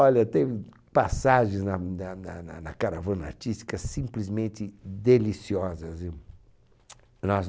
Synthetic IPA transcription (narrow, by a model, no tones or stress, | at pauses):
ɔʎɐt̪ẽ | pasaʒẽznɐnɐnɐnɐnɐkaɾavɐ̃na̰ɾt͡ʃist̪i̥kɐsĩmplizmẽnt̪ɪd̪elisiɔzɐzi | nɔz